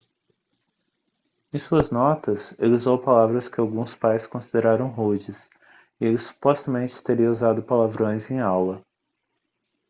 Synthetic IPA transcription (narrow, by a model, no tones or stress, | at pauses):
ẽj̃suɐznɔt̪ɐseluzowpalavɾɐskɪawɡũspajskõsid̪eɾaɾɐ̃w̃ɦud͡ʒɪs | ɪelɪsːu̥pɔst̪ɐmẽnt͡ʃɪ̥t̪eɾiɐuzad̪ʊpalavɾõj̃zẽj̃awlɐ